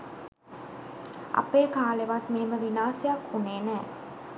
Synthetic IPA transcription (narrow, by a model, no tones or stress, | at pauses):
ʔɐ̰peːkaːleʋat̪meɦeməʋinaːsijakhuneːnə